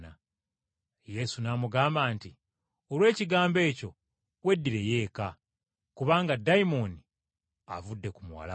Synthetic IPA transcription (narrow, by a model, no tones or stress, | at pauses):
na | je̞sunaːmuɡaːmbaːnti | olwe̞ːciɡaːmbe̞ːco̞ | we̞dːiɾe̞je̞ːka | kuβaːŋɡadːaimoni | a̰vudːe̞kumuwa̰la